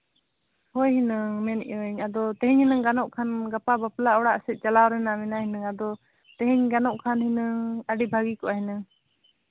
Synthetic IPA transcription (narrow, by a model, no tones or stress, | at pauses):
hojɦinəŋmɛnʔɲad̪ɔt̪ɛ̃ɦiɲhinəŋɡanɔʔkʰanɡapabaplaʔɔɽaʔsɛt̪̚ˀt͡ʃalawɾɛnamɛnaɦinəŋad̪ɔ | t̪ɛ̃ɦiɲɡanɔʔkʰanhinəŋaɖibʱaɡikɔʔaɦinəŋ